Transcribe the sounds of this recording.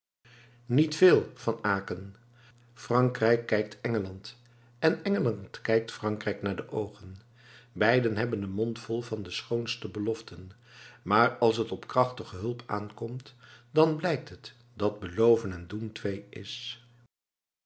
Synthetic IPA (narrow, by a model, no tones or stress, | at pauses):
nitfɪːlˠvɑnaːkən | frɑŋkrɛjkːɛjk̚tɛŋəlɑnt | ɛnɛŋəlɑntkɛjk̚tfrɑŋkrɛjknaːɹdəʔowχən | bɛjdənɦɛbənənmɔntfɔlˠvɑndəsχownstəbəlɔftən | maːrɑlˠs̬ɦətɔpkrɑχtəχəɦɵlˠpa̰ːnkɔmtdɑnblɛjk̚tɦət | dɑd̚bəlowvənɛnduntʋejʔɪ̰s